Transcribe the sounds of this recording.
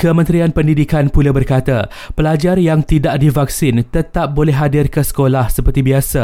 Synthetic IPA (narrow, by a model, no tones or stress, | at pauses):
kəmə̃nt̪ɾianpəndidikanpulabərkat̪a | pəlad͡ʒarjaŋt̪idaʔdivak̚sɪnt̪ət̪ap̚bolɛɦadɪrkəsə̥kolahsəpərt̪ibiasa